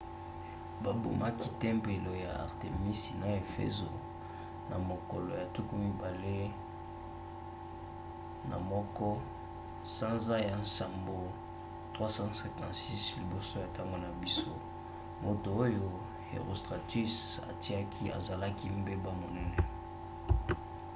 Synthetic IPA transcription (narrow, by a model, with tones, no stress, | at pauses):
ba˨bo̰˨mʔa˦ki˦tɛ˦mbe˨lo˨ja̰˨a̰˨ʁte˨mi˦si˨na˨e˨fḛ˦zo˨ | na̰˨mo˨kɔ˨lɔ˨ja˨tu˦ku˦mi˦ba˨le˦ | na̰˨mɔ˦kɔ˦ | sã˦nza˦ja˨n˦sa˨mbo˨ | tʁwa˦sã˦sɛ˨kã˨si˦sli˨bo˦so˦ja˨ta˦ŋɡo˨na˨bi˦so˦ | mo˨to˨o˦jo˦ | ḛ˨ʁo˨stʁa˨ti˦sa̰˨ti˦a˦kʰi˦a̰˨za˨la˦ki˦mbe˦ba˦mo˨nɛ˦nɛ˦